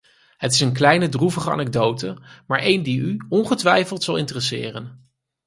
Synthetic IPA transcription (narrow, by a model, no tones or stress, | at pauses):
ɦətɪsənk̬lɛjnədruvəχəɑ̰nɛɡ̚dowtəmaːɹʔejndiyɔnχətʋɛjfəlˠtsɑlˠɪntərəsɪ̰ːrən